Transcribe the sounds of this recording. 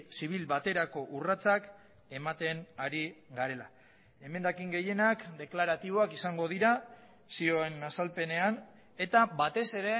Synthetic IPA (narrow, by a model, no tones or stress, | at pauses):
siβ̞ilbat̪e̞ɾako̞ʔurat͡sak | e̞mat̪e̞naɾiɡaɾe̞la | e̞me̞nd̪akiŋɡe̞je̞nakd̪e̞klaɾat̪iβo̞akisaŋɡo̞ð̞iɾa | sio̞e̞nasalpe̞ne̞an | e̞t̪aβat̪e̞se̞ɾe̞